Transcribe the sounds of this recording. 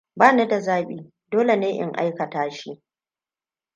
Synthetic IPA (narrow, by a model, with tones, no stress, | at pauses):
baː˦ne˦da˨zaː˦ɓiː˨ | doː˦le˨neː˦ʔɪ̰˦ŋʔa̰˦jkɐ˨taː˦ʃi˦